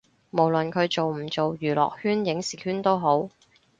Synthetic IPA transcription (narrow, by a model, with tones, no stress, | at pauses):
mo˨˩wlə˨nkʰɵ˨˧ɥt͡so˨wm̩˨˩t͡so˨wjyː˨˩lɔ̰ː˨k̚hyː˥njɪ˨˥ŋsiː˨˩hyː˥nt̪o˥wɦo˨˥w